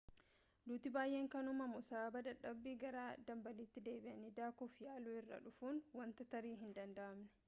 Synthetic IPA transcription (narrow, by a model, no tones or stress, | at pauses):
d̪uːt̪ɪbaːjʔeːŋkɐnʊmɐmʊsaːbɐd̪ɐᶑːɐbːiːɡɐɾaːd̪ɐmbɐliːt̪ːɪd̪e̞ːbɪʔɐnɪd̪aːkɔfjaːluːɪrːɐ̰ᶑʊfuːnwɐnt̪ɐt̪ɐɾiːɦɪnd̪ɐnd̪ɐʔɐmnɪ̥